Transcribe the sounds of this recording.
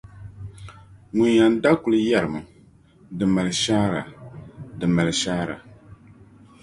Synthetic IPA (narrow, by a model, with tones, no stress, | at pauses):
ŋu˨ɲja˨n˦da˦ku˨lɨ˦ja˦˨ɾɨ˨mɨ˨ | dɨ˨ma˨lɨ˨ʃaː˦ɾa̰˨dɨ˨ma˨lɨ˨ʃaː˦ɾa̰˨